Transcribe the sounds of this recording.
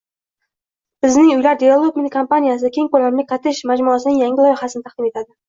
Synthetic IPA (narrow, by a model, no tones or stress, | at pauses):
b̥ɪznɪŋʊjlaɾd̪ʲealˠokmenkʰompanʲijas̬ɪd̪akʲe̞ŋkolamlɪqʰɑt̪ʰɪʃmad͡ʒmʊasɪnɪŋjaŋʲɪlˠɒjɪhasɪnɪt̪ʰɑχd̪ɪme̞t̪ʰad̪ɪ